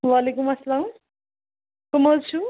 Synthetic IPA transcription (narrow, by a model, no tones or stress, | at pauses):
walekumɐsɐlaːm | komolt͡sʰu